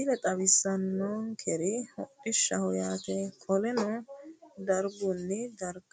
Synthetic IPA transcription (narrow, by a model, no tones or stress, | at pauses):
ilɛt̪ʼɐβɪsːɐnːɔnkʰɛɾɪhɔʔːɪʃːɐhɔjaːt̪ɛkʰɔlɛnɔ | d̪ɐɾɡʊnːɪd̪ɐɾɡ